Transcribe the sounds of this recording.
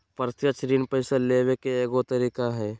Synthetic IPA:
pəɾt̪jat͡ʃɾiːnpəɪsaleːwekeeːɡot̪əɾiːkaɦɛː

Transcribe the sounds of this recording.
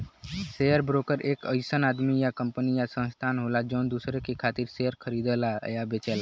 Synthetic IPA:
sejəɾbɾokəɾeːkəɪsənad̪mijakəmpənijasə̃nst̪ʰanɦolad͡ʒəʊnd̪usɾekekʰat̪iɾsejəɾkʰəɾid̪ɛlajabet͡ʃɛla

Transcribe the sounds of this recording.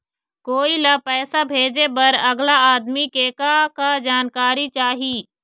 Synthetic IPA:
koːilɐpɛːsabʱeːd͡ʒebɐɾɐɡlaaːd̪mikekakad͡ʒaːnkaːɾit͡ʃaːɦiː

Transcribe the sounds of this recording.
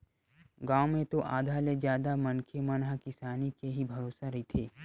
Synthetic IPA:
ɡaːomẽt̪oʔaːd̪ʱaːled͡ʒjaːd̪amɐnkʰemɐnɦakɪsaːnikeɦibʱɐɾoːsaɾɐɦit̪ʰeː

